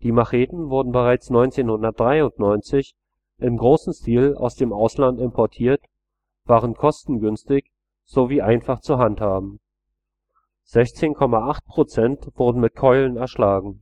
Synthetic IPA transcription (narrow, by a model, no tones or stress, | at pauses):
d̥iːmaʁeːtn̩vʊɐdn̩bəʁ̞aɪt͡snɔʏnt͡seːnhʊndɐt̚d̥ʁaɪʊntnɔʏnt͡sɪç | ʔɪmɡʁoːsn̩stiːla̰ʊsd̥eːmʔaʊslantɪmpʰɔɐtʰiːɐt | v̥aːʁənkʰɔstn̩ɡʏnstɪç | z̥oviːʔaɪnfaχt͡suɦanthaːbm̩ | z̥ɛçt͡seːnkʰɔmaʔaχt̚pʁ̥ot͡sɛntv̥ʊɐdn̩mɪt̚kʰɔʏlənɛɐʃlaːɡŋ̩